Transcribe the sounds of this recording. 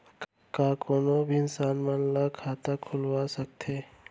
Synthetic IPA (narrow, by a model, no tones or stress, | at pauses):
kaːkoːnobʱiɪnsaːnmanlakʰaːt̪akʰʊlʋasək̚t̪ʰeː